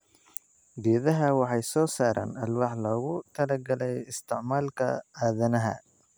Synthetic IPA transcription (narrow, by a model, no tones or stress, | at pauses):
d̪iːðɐɦɐwɑħɑjsɔːsaːɾʔa̰ːnɐlwɑħlɔːɣʊt̪ʰɐlɐɡɐlɛjɪst̪ʰɪʕmaːlkʰɐ̰aːðɐnɐɦɐ̰